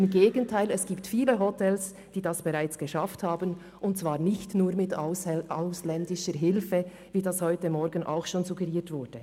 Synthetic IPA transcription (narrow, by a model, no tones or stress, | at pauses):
ɪmɡeːɡəntʰaɪlɛsɡ̥iːp̚tfiːləɦɔtʰɛls | d̥iːdasb̥eʁaɪt͡sɡ̥əʃafthaːbən | ʔʊnt̚t͡sv̥aːʁnɪçtnuːɾmɪtʊaʊslɛndɪʃəɾɦɪlfə | viːdashɔʏtəmɔɾɡn̩ʔa̰ʊxʃoːnzuɡəɛʁiːtv̥ʊɾd̥ə